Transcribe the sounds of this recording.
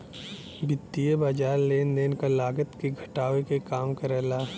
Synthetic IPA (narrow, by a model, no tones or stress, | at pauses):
bɪt̪ːijebaːd͡ʒaːɾleːnd̪eːnkalaːɡət̪keɡʱɐʈaːʋekekaːmkɐɾɛːlaː